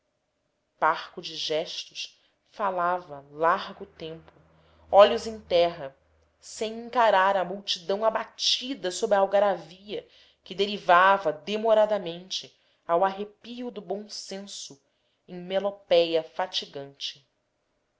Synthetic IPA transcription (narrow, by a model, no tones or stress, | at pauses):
b̥aɾkʊd͡ʒɪʒɛʃt̪ʊʃ | falavɐlaɾɡʊt̪ẽmpʊ | ɔʎʊzẽj̃t̪ɛɦɐ | sẽj̃ĩŋkaɾaɾɐmuwt͡ʃid̪ɐ̃w̃abat͡ʃid̪ɐsobɾawɡaɾaviɐ | kɪd̪eɾivavɐd̪emoɾad̪ɐmẽnt͡ʃɪ | awaɦepiʊd̪ʊbõw̃sẽsʊ | ẽŋ̃melopɛjɐfat͡ʃiɡɐ̃nt͡ʃɪ̥